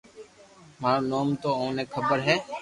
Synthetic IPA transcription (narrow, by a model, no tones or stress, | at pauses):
maːɾoːnoːmt̪oːõːneːkʰəbəɾɦɛː